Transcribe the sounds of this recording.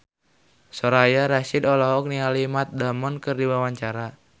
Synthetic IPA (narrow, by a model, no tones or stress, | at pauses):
sɔɾajaɾasidɔlɔɦɔk̚nialimat̪̚damɔnkɨrdiwawaɲt͡ʃaɾa